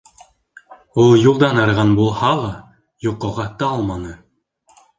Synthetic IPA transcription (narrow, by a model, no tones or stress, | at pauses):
ulˠjulˠd̪ɑnɑɾʁɑnbulˠhɑlˠɑ | juqːoʁɑt̪ɑɑlˠmɑnɤ